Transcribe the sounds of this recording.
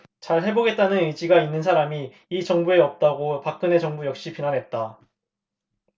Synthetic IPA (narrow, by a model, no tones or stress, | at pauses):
t͡ɕaɭɦe̞boɡe̞t̚t͈anɯnɯd͡ʑiɡainːɯnsʰaɾamiː | t͡ɕʌŋbue̞ʌp̚t͈aɡopak̚k͈ɯne̞t͡ɕʌŋbujʌk̚ɕ͈ipinanɦe̞t̚t͈a